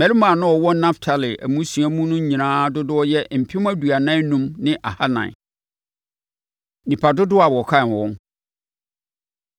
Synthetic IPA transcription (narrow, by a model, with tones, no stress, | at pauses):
mɛ˨li˦mã˨nʊ̃˦ɔ˨wɔ˦nã˦ftʰa˨lɪ˨ʔæ̰˨mũ˦su˨æ˦mũ˦nʊ̃˦ɲĩ˨nãː˦dʊ˦dʊ˦ɔ˦jɛ˦m̩˨pʰɪ̃˦m˦æ˦du˨a˨nã˦nũ˦mnɪ̃˦ʔa˨ha˦nã̰˨ | nĩ˨pʰa˨dʊ˦dʊ˦a˨wɔ˨kʰã˦˨ɔ̃˦ŋ